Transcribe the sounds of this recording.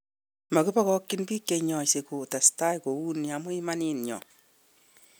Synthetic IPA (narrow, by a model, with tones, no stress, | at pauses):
ma˨ku˦pa˦kɔ˦kːi˦npi˦kːeɲɔ˨jse˨ko˨ta˨sta˦jko˨wu˦nia˨mʊ˦i˦ma˦ninɲɔ̰˨